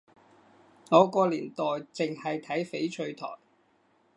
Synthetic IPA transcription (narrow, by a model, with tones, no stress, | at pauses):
ŋɔː˨˧kɔː˧liː˨˩nt̪ɔː˨jt͡sɪ˨ŋhɐ˨jt̪ʰɐ˨˥jfe˨˥jt͡ʃʰɵ˧ɥt̪ʰɔ̰ː˨˩j